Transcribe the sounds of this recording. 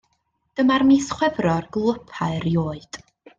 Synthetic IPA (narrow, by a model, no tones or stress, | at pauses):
d̥əmarmisχwɛvrɔrɡlˠəpʰaɨrjoːɨd̥